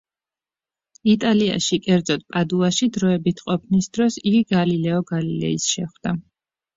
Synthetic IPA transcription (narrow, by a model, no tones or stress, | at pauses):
it̪ʼalia̰ʃikʼɛɾd̪zɔt̪̚pʼad̪uaʃid̪ɾɔɛbit̪ʰqʼɔpʰnisd̪ɾɔsiɡiɡalilɛɔɡalilɛ̰isʃɛχwd̪̥a